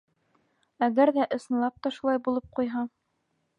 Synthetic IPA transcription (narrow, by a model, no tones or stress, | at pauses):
æɡæɾðæʔɤ̆sɤ̆nlˠɑp̚t̪ɑʃulˠɑjbulˠɤp̚qujɦɑ